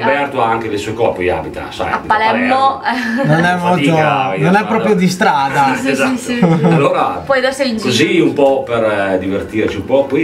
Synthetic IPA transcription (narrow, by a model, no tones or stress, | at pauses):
pɛrt̪oaŋk̟ed̪elsɔjkɔrpoja̰bit̪a̰sa̰jabitpːalɛɾnononɛmːɔlit̪ononɛpːɾɔːpɾjod̪ist̪ɾaːd̪aezat̪ːalːoːɾapɔjdosekoziumpɔperd̪ivert̪iɾt͡ʃiumpɔpɔj